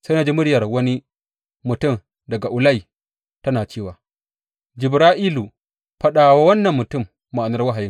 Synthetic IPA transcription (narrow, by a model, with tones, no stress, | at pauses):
sa˦na˨d͡ʒi˦mʊ˦ɽjɐ˨rwɐ˦ni˦ | mʊ˨tʊ˦˨m | dɐ˨ɡa˨ʔʊ˨la˦ji˨ | tɐ˦naː˨t͡ʃeː˦˨waː˨ | d͡ʒɪ˨bɾaː˦ʔiː˦lu˨ | ɸɐ˦ɗaː˨wa˦wɐ˦nːɐ˨mːʊ˨tʊ˦˨mːa˨ʔa˨nɐ˦rwa˦ɦa˨ji˦